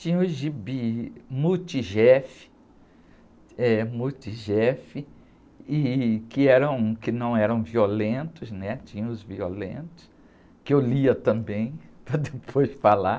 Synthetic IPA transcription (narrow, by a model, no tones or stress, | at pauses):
t͡ʃĩɲɐ̃ʊʒibimut͡ʃiʒɛfɪ̥ | ɛmut͡ʃiʒɛfɪ | ɪkɪɛɾɐ̃w̃kɪnɐ̃w̃ɛɾɐ̃w̃violẽnt̪ʊznɛt͡ʃĩɲɐ̃ʊzvio̰lḛ̃nt̪ʊ̥s | kɪewliɐt̪ɐ̃mbẽj̃pɾɐd̪epʰojsfala